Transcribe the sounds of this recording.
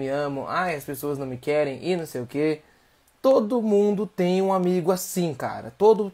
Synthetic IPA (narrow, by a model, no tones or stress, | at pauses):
mɪɐ̃mɐ̃w̃ʔajɐspesoɐznɐ̃w̃mɪkɛɾẽj̃ʔɪnɐ̃w̃sejʊke | t̪od̪ʊmũd̪ʊt̪ẽj̃ũamiɡʊasĩka̰ɾɐ̰t̪od̪ʊ